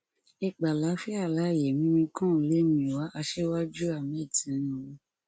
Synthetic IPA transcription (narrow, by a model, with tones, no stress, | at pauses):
e˨k͡pa˨la˨˦fi˦a˦˨la˨˦˨je˨mĩ˨˦mĩ˧kũ˦˨le˦mĩ˧˨wa˨˦ʔa˧ʃe˦wa˦d͡ʒu˦a˦˨mẽ˨˦˨tʰĩ˨˦nũ˧˦o˧